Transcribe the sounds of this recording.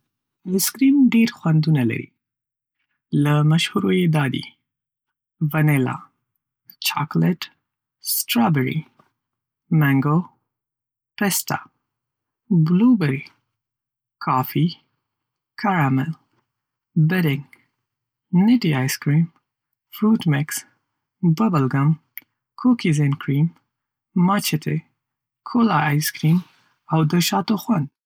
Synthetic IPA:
skɾimɖeɾxwand̪unala̰ɾḭ | lamaʃhuɾojed̪ɑd̪ḭ | vanela̰ | t͡ʃɑ̰klɪʈ | sʈɾɑbeɾḭ | maŋɡo | pest̪a̰ | blubaɾi | kʰɑfi | kʰaɾamɛl | bɛɾɪŋ | nɪʈiajskɾim | fɾut̪mɪks | bəbəlɡam | kʰokizenkʰɾimː | at͡ʃet̪ʰe | kʰolaajskɾiːm | awd̪əʃɑt̪oxwan

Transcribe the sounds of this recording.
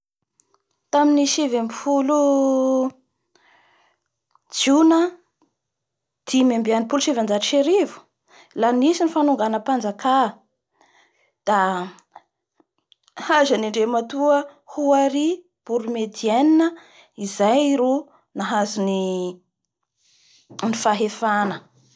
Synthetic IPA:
t̪aminiʃevamifulu | d͡ʒunə | d̪̥imembianipuluʃivand͡zaʈ͡ʂiʃeɾivu̥ | lanisinifanuŋɡanəpand͡zaka | d̪̥a | hazaniɳɖ͡ʐemat̪uəhuaɾi | b̥uɾumed̪iɛninə | izajiɾo | naɦazini | nifaɦefanə

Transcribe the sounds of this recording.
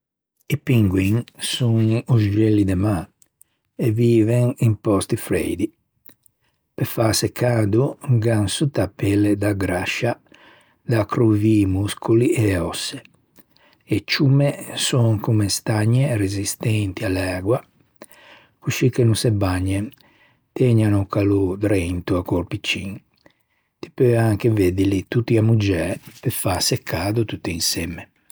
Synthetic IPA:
ipiŋɡwiŋsuŋuzd͡ʒɛlːid̪ɛma | ɛviːvɛŋimpɔst̪ifɾɛ̰jd̪i | pɛfasɛkʰaːd̪uɡansut̪apɛlɛd̪aɡɾaʃa | d̪akɾuvimuskuliʔɛɔsːɛ | ɛt͡ʃːumɛsɔŋkumɛst̪aɲːɛrezist̪ɛnt̪ialɛːɡwa | kuʃikːenusɛbaɲːɛ | t̪ɛɲanukalud̪ɾɛnt̪uakoɾpit͡ʃːiŋ | t̪i̥pøaŋkevɛd̪ilit̪ut̪ːiamud͡ʒɛpɛfasɛkʰːaːd̪ut̪ut̪ːiinsɛmːɛ

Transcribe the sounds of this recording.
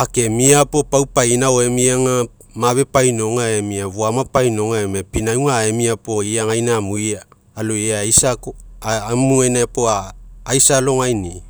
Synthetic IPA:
ake̞miapo̞pawpajnaoemiaŋa | maβe̞pajno̞ŋaemiaβuamapajno̞ŋaemapinauŋaemiapo̞iaŋajnamujaː | loeajsakomuajnaepoaːjsalo̞ŋajni

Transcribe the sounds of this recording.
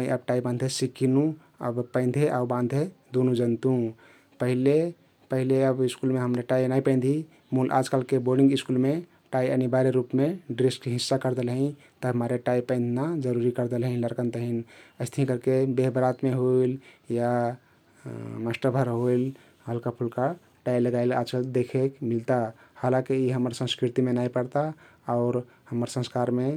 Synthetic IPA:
məjʔəb̚ʈaibãnd̪ʱesikinũ | ə̰bpə̃ɪ̃nd̪ʱeʔaubãnd̪ʱɦed̪onũd͡ʒənt̪ũ | pəɦile | pəɦileəbiskulmeɦəmɾeʈainaipə̃ɪ̃nd̪ʱi | mulʔa̰d͡ʒkəlkeboɾɖĩŋɡiskulme | ʈaiənibaɾeɾupmeɖɾisʈkɦisːakəɾd̪elɦĩ | t̪əmaɾeʈaipə̃ɪnd̪ʱnad͡ʒəɾuɾikəɾd̪elɦĩləɾkənt̪əɦinəɪst̪ʰəɦĩkəɾkebeɦbɾat̪meɦoilja | məsʈəbʱəɾɦoil | ɦəlkapʰulka | ʈailəɡaila̰d͡ʒkəld̪ekʰekmilt̪ahalãkeiɦəməɾsə̃nskɾit̪imenaipəɽt̪aɔʊɾ | həməɾsə̃nskaɾme

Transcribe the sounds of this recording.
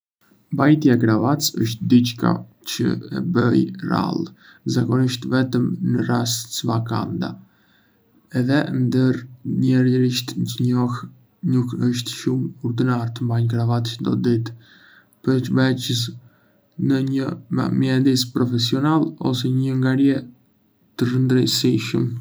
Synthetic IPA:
mbajt̪jaɛɡɾavat̪sə̰ʃ̬t̪̚d̪it͡ʃka̰ | t͡ʃə̰ɛ̰bəjra̰lˠ | zakɔniʃt̪vɛt̪əmnərassəvaka̰nd̪a̰ | ɛðɛnd̪əɾɲɛɾjəɾiʃt̪ndəɲɔh | nukəʃt̪ʃumɔɾd̪inaɾt̪əmbaɲkɾavat̪t͡ʃənd̪ɔd̪it̪ | pəɾt͡ʃəvɛt͡ʃəs̬ | nəɲəa̰miɛd̪ispɾɔfɛsiɔnalˠɔ̰s̬ɛɲəŋɡaɾjɛ | t̪ərənd̪ɾəjsiʃəm

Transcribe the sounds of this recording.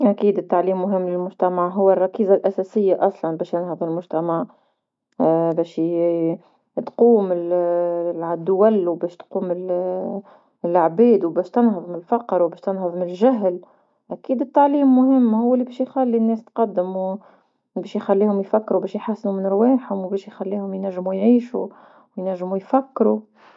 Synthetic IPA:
ʔækiːd̪ɪt̪ːaʕliːmːʊɦɪmːlɪlmʊʒt̪æmaʕɦʊwːɪrˤːɑkiːzalʔæsɛsɪjːaʔɑsˤlɑnbɛːʃjɪnhɑðˤɪlmʊʒt̪æmaʕ | bɛːʃ | t̪quːmɪl | d̪ʊwælwbɛːʃt̪quːmɪl | lʕbiːd̪wbɛːʃt̪ɪnɦɑðˤmɪlfɑqɾwbɛːʃt̪ɪnhɑðˤmɪnɪlʒaɦl | ʔækiːd̪ɪt̪ːaʕliːmːʊhɪmːhʊwːlːibɛːʃjxælːinːɛːst̪qɑd̪ːɪmu | bɛːʃjxælːiːhʊmjfækːɾubɛːʃjħasːnumɪnəɾwɛːħhʊmwbɛːʃjxælːiːhʊmjnæʒːmujʕiːʃu | wjnæʒːmujfækːɾu

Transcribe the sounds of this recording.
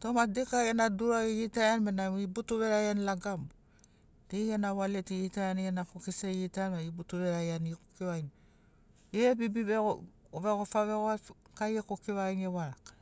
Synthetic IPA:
tomadekajanaduɾaiɡitaanmenamibutuβeɾajanlaɡam | d̥ejanawaletiɣitaanianakokiseitajanmaibutuβeɾajankokiwajn | ebibiβeo | βeɡofaβeɡo | kajekokiwainewaɾak

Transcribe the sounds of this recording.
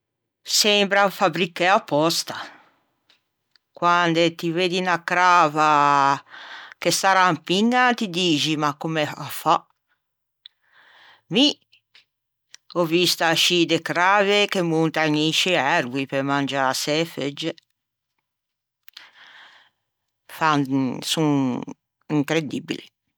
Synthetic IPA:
sɛmbɾaufabɾikːeapːɔst̪a | kwand̪et̪iveːd̪inakɾaːva | kest̪aɾampiŋːat̪id̪iːd͡ʒimakːumeafa | mi | ɔvist̪aʃid̪ekɾaːvekemːunt̪aɲit͡ʃiɛɾɡwipemand͡ʒaasɛfed͡ʒe | fansuŋ | iŋkɾed̪ḭbḭlḭ

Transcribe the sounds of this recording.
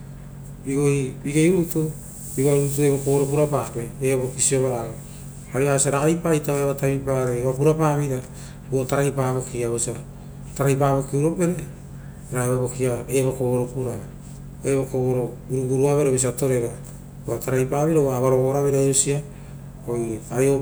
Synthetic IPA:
biɡohibiɡejɾutu | biɡoaɾuɾut̬ue̞βokoβoɾop̬uɾapaːpe̞ebokisioβaɾaβo | aɾiaosiaɾaipajtaβeβataβipaɾeapuɾapaβiɾa | buotaɾajpaːβokiaβosa | taɾajpaːβo̞kiuɾo̞pe̞ɾe | ɾaβaβo̞kiaeβokoβoɾopuɾa | eβokoβoɾo | uɾuɡuɾuaβeɾebes̬iato̞ɾe̞ɡa | uataɾajpaːβiɾauaβaɾoβoɾaβeɾajusia | ojajo

